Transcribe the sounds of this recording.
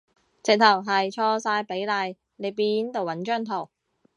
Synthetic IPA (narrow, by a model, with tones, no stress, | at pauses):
t͡sɪ˨k̚t̪ʰɐ˨˩wɦɐ˨jt͡ʃʰɔː˧saː˧jpe˨˥jlaː˧j | ne˨˧jpiː˧nt̪o˨wɐ˨˥nt͡ʃœː˥˩ŋt̪ʰo˨˩w